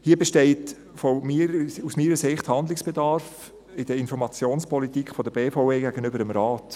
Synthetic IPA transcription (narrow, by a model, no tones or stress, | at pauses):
hiːəbɛʃteɪt | fomiɾusmiːɾəsɪχthɑndlɪksb̥edɑɾf | ɪd̥əɪnfɔɾmɑt͡sjoːnspʰɔlitikχfɔdəbeːfɔʊeːɡæɡənʏbəɾəmɾɑːt